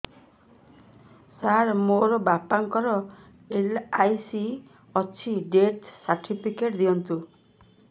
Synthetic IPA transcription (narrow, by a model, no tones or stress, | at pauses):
saɾmoɾɔbapaŋkɔɾɔ | elajsi | ɔt͡ʃʰiɖeʈsaɾʈʰipʰikeʈd̪iɔnt̪u